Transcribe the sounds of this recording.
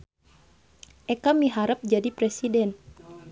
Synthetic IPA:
ʔɛkamiɦaɾəp̚d͡ʒadipɾɛsidɛn

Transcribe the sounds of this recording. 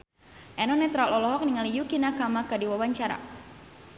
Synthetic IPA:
ʔɛnɔnɛt̪ɾalɔlɔɦɔk̚niŋalijukinakamakadiwawaɲt͡ʃaɾa̰

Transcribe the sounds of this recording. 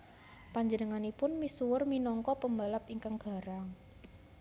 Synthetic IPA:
paɲd͡ʒənəŋanipʊnmisuwʊrminɔŋkɔpəmbalapiŋkaŋɡ̥a̤ɾaŋ

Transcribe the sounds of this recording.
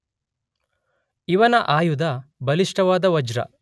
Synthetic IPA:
iʋɐnɐʔaːjud̪ɐbɐliʂʈɐʋaːd̪ɐʋɐd͡ʒɾɐ̰

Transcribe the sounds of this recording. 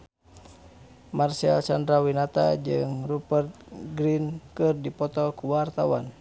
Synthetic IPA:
marsalsandɾawinat̪a̰d͡ʒɨŋrupɛrt̪̚ɡɾinkɨrdipɔt̪ɔkuwart̪awan

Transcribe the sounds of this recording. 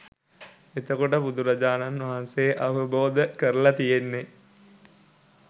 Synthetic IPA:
et̪əkoʈəbud̪uɾɐd͡ʒaːnanʋaɦansejʔaʋəboːd̪əkəɾəlat̪ijenːe

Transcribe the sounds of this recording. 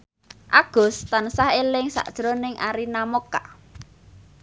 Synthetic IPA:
ʔaɡ̥ɔ̤st̪ansahelɪŋsa̰ʔd̥ʒ̥ɾɔnɪŋaɾinamoka̰ʔ

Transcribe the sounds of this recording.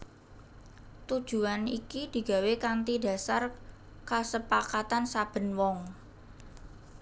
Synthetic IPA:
t̪ud̥ʒ̥ṳanikid̪̥i̤ɡ̥a̤wekant̪ida̤sar | kasəpakat̪ansab̥ə̤nwɔŋ

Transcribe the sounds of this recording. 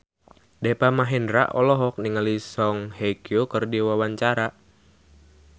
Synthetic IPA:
dɛpamaɦɛndɾa̰ʔɔlɔɦɔk̚niŋəlisɔŋhekiokərdiwawaɲt͡ʃaɾa

